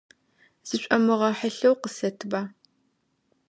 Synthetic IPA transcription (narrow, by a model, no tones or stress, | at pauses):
z̥ɨɕʷʼɐmɨʁɐħəɬɐwqəsɐtʰbaː